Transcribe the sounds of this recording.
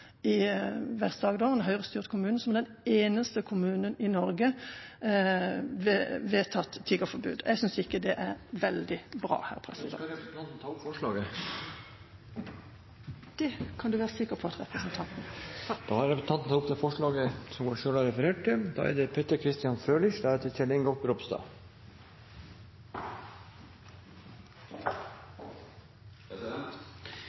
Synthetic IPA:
ɪʋɛst̪d̪ɑːɡd̪oʋənɦœʏʁəst̪yːʁt̪kʰʊmʉːn̩sɔmd̪ɛn | eːnəst̪əkʰʊmʉːnənɪnɔɾɡə | ʋeʋeːt̪ʰɑt̪ʰːiɡəfɔbʉ̰ːd̪ʔɛɡsʏnsɪkːəd̪ɛʔæɾʋɛld̪ɪbɾɑ̰ːhæ̰ːʁpʰʁɛsɪd̪ɛ̰ɛɑnt̪n̩t̪ʰɑːʊpfɔʂɭɑːɡə | d̪̥ɛkʰɑnd̪ʉʋæːʁəsɪkəpʰɔɑt̪ɾɛpɾəsənt̪ʰɑnt̪n̩d̪̥ɑːhɑɾɛpsnt̪ɑnt̪n̩t̪ʰɑːʊp̚t̪ʰɛfɔʂɭɑːɡəsɔmɡoːɾʃøːlɑɾɛfəɾeːʈ̚ːɪld̪ɑ̰ːæ̰ɾd̪ɛpʰɛt̪əɾkʰɾɪst̪ɪjɑnfɾøːlɪʃd̪æɾt̪ʰːɛt̪ʰɛlɪŋɡɔt̪bɾɔpst̪ɑ̰ː

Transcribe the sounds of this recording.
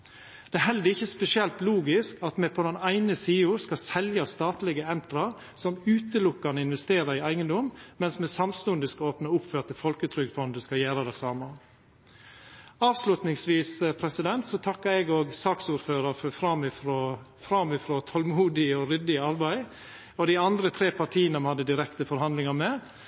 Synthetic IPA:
d̪̥ɛæɦɛld̪əɾɪçːəspɛsɪɛlt̪luːɡɪskɑt̪mɛpʰɔd̪ɛnæɪnəsiːʊɾskɑsɛljɑst̪ɑːt̪lɪɡəɛnt̪ɾɑɾ | sɔmʉːt̪əlʊkːɑnɪnʋɛst̪eːɾəɾɪæɪɡənd̪ɔmmɛnsmɛsɑmst̪ʉnd̪əskɑoːpnɑʊpːføːɾt̪əfɔlkət̪ʰɾʏɡfɔnd̪əskɑjæːɾəd̪æɪsɑːmə | ɑːʋslʉt̪nɪŋsʋiːsəpʰɾɛsɪd̪ɛnt̪sɔt̪ʰɑkːəɾɛɡoːɡsɑːksuːɾføːɾəɾfɔfɾɑmɪfɾofɾɑmɪfɾoːt̪ʰɔlmuːd̪ɪɔɾʏd̪ɪɑɾbæɪ | ɔd̪ɪɑnd̪ɾət̪ʰɾeːpʰɑʈʰiːənəɔmhɑd̪ːəd̪ɪɾɛkt̪əfɔɾhɑnd̪lɪŋɑɾmɛ

